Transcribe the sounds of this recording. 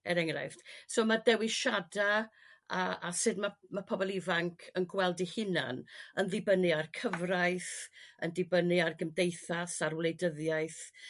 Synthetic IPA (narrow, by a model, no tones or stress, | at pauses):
ɛɾɛŋra̰jfd̥somadɛwiʃadaaasɨdmamapʰɔbɔlˠivaŋkʰənɡwɛlˠdihɪna̰nənðɪbənɨarkʰəvrajθə̰ndɪbənɨarɡəmdejθasarwlˠejdəðjaɨθ